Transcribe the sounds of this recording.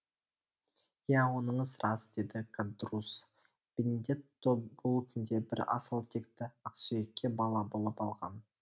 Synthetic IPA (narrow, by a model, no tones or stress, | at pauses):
jæwo̞nəɴəsɾɑsd̪e̞d̪ɪkʰad̪rus | b̥ened̪e̞t̪obʊlˠkʲʰʏnd̪e̞bɪɾɑ̰səlˠt̪ʰe̞kt̪ɪɑqsyjekʲːe̞bɑlˠɑbo̞lˠəpɑlˠʁɑ̰n